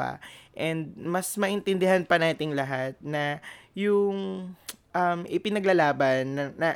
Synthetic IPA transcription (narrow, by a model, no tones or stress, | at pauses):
a̰ʔɛnd̪̚mɐsmɐʔɪnt̪ɪnd̪ɪɦanpɐnaːt̪ɪŋlɐɦat̪̚nɐjʊŋʔɐmʔɪpɪnɐɡlɐlaːbɐnːɐːɐ